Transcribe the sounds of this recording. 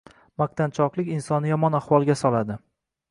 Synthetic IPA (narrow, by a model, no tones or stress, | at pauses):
maq̚t̪ant͡ʃʰɒqlˠɪkʲɪnsɒnɪjɒmɒnaχwɒlˠɡʲasɒlad̪ɪ